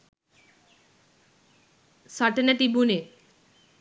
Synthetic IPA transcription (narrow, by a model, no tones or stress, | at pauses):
saʈenaʈ̪ibune